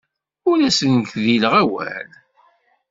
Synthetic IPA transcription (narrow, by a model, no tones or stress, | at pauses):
ʊlæsənçðilʁæwæ̰l